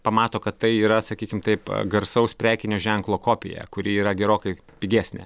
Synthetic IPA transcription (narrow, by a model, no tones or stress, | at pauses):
pɐmɑːt̪oːkɐt̪t̪ɐɪiːɾɐsɐkʲiːkʲɪmt̪ɐɪpɡɐɾsɐʊspʲɾʲæːkʲɪnʲoːʒʲɛŋklˠoːkoːpʲɪ̰jɛ̰kʊɾʲɪːiːɾɐɡʲɛɾoːkɐɪ | pʲɪɡʲæːsʲnʲḛ